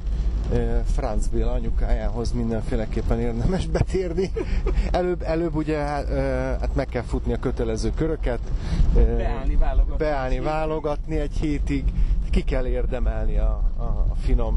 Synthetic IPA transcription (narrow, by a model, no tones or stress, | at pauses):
øfrɒnd̪zbeːlɒɲukaːjaːɦo̞zmind̪ɛɱfeːlɛkeːpːɛneːrd̪ɛmɛʒbɛt̪eːrniɛløːbɛløːbːuɟɛɦaha̰t̪mɛkːɛlfut̪niɒkøt̪ɛlɛzøːkøɾø̞kɛt̪ː | bɛaːlnivaːlːo̞ɡɒt̪niɛɟheːt̪iɡkikɛlːeːrd̪ɛmɛlniɒ̰ːfino̞m